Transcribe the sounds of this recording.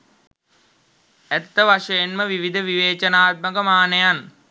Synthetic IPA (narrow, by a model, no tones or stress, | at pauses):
æt̪ːəʋaʂəjenməʋiʋid̪ʱəʋiʋeːt͡ʃənaːt̪̚məkəmaːnəjan